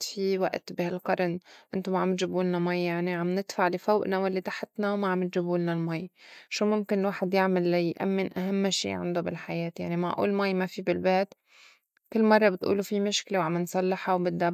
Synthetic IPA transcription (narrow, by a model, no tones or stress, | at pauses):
fiwa̰ʔt̪bɪhalqɑɾˤnʔɪnt̪omaʕamɪt̪ʒɪbuːlnamajːjaʕniʕamnɪd̪faʕlifoːʔnawɪlːit̪aħɪt̪nawmaʕamːɪt̪ʒɪbuːlnalmajʃuːmʊmkɪnlwaːħɪd̪jɪʕmɪlːajʔa̰mːɪnʔaɦamːʃḭːʕa̰nd̪obɪ̰lħajeːt̪ja̰ʕnima̰ʕʔṵːlmajːmafibɪlbeːt̪ | kɪlːmɑrˤːɑbɪt̪ʔṵːlufimʊʃklewʕamɪnsˤɑlːɪħawbɪd̪ːa